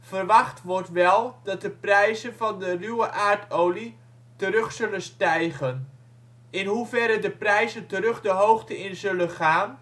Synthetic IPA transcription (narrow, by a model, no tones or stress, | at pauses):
vərʋɑχtʋɔrtʋɛlˠdɑt̚dəprɛjzənvɑndərywəʔaːrtʰowli | təɾɵχsɵlənstɛjχən | ɪnɦuvɛɾədəprɛjzəntərɵχdəɦowχtəɪnzɵləχaːn